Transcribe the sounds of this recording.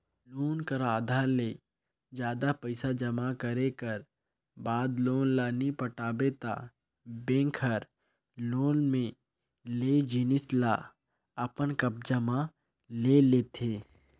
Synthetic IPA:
loːnkəɾaːd̪ʱaːɾleː | d͡ʒjaːd̪apəɪsad͡ʒəmakəɾekəɾ | baːd̪loːnlaːnipəʈaːbet̪a̰ | bẽːŋkʰəɾ | loːnmẽ | leːd͡ʒɪnɪsla | əpənkəp̚d͡ʒəma | leleːt̪ʰeː

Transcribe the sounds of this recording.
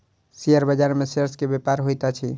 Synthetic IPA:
siəɾbəd͡ʒaɾmeseɾskebepaɾɦojt̪at͡ʃʰi

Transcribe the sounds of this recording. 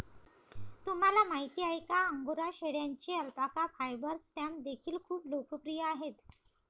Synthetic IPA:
t̪um̤alamaɦit̪iːajkaəŋɡoɾaɕeɽjaɲt͡ɕeəlpakafajbəɾsʈamd̪ekʰiːlkʰuːplokəpɾijəaɦet̪

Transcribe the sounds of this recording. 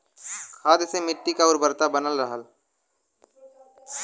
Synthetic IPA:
kʰaːd̪semɪʈːikaʊɾbəɾt̪abənəlɾəɦəl

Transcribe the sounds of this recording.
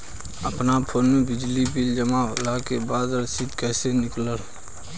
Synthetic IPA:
əpnapʰoːnmebɪd͡ʒlibild͡ʒəma̰lakebad̪ɾəsit̪kɛsenɪkləl

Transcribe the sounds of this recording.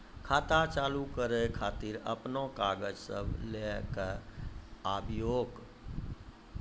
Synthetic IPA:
kʰaːt̪at͡ʃalukəɾekʰat̪iɾə̰pnokaɡəd͡ʒsə̰bʱlekə | abʱjoːɡ

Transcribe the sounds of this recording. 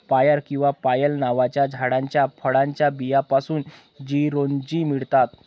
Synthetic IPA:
pajəɾkĩw̃ʋapajəlnaʋat͡ɕjad͡ʑʱaɽãɲt͡ɕjafʰəɽãɲt͡ɕjabijapasuːn | d͡ʑiɾond͡ʑiːmiɭt̪at̪

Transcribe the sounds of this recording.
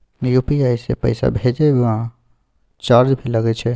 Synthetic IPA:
jupiajsḛpə̰ɪsa̰bʱed͡ʒɛbã | t͡ʃaɾd͡ʒbʱeləɡɛt͡ʃʰɛ

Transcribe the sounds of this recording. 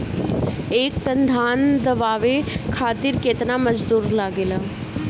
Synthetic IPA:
eːk̚ʈənd̪ʱaːnd̪ɐʋaːʋekʰaːt̪ɪɾkeːt̪naməd͡ʒd̪uːɾlaːɡeːlaː

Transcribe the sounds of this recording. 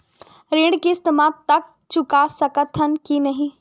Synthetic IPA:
ɾẽːɽɖkiɪst̪əmaːt̪ːɐk̚ | t͡ʃʊkasɐkət̪ʰɦənkinɐɦĩ

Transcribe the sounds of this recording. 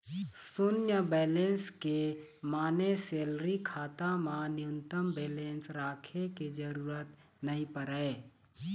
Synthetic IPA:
sʊnjəbeːlẽːnskemaːneseːlɾikʰaːt̪amãnɪʊ̃nt̪əmbeːlẽːnsɾaːkʰeked͡ʒəɾuːɾət̪ | nɐɦĩpəɾəe

